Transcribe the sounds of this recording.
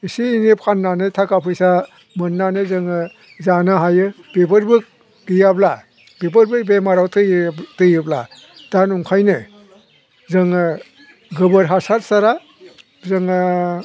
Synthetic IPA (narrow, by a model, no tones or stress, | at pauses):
isiːnip̚kʰanːanɯtʰakapʰɯjsa | mɯnːanɯzɯŋɯ | zanɯɦajɯb̥epɯɾbɯk̚ | ɡijabla | b̥epɯɾbɯbemaɾawtʰɯjtɯjɯbla̰ | d̥anuŋkʰajnɯ | zɯŋɯ | ɡɯbɯɾɦasaɾsaɾa | zɯŋɯ